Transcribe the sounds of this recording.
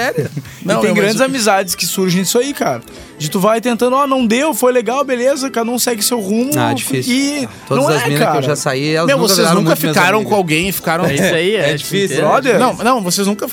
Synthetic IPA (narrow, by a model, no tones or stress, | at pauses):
sɛɾʊ | nɐ̃w̪̃ẽɡɾɐ̃nd͡ʒɪzamizad͡ʒɪskɪsuɾʒẽj̃isʊaikaɾɐ | d͡ʒɪt̪uvajt̪ẽnt̪ɐ̃nd̪ʊɔnɐ̃w̃d̪ewfojleɡawbelezɐkaɾɐnɐ̃w̃sɛɡɪʊsewʁũmʊa̰d͡ʒiisinod̪ɐ̃w̃zɐzɛmĩnaɾewɐʒasaiɛlɐzmew̪vokseznnũkɐfiekaɾɐ̃w̃kõawɡẽj̃ɪfi̥kaɾɐ̃w̃saiɛd͡ʒifisiɔdɐnɐ̃w̃nɐ̃w̃voseznũŋkɐ